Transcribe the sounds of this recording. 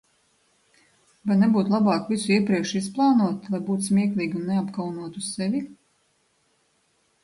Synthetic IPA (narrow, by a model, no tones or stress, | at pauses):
vajnebuːt̪lˠabɑːkvisuiɛpɾiɛkʃisplˠɑːnuɔt̪lˠajbuːt̪smʲiɛklʲˠiːɡʲunːeapkawnuɔt̪ussɛvʲi